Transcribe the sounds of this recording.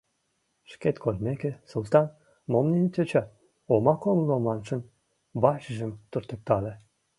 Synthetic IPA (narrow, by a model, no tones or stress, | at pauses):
ʃket̪kʰolmekĕsəlˠt̪ɑn | momnʲenʲt̪ʲøt͡ɕɑ | omɑkomlˠomɑnʃə̆n | bɑɕəʒə̆mt̪urt̪ə̆k̚t̪ɑle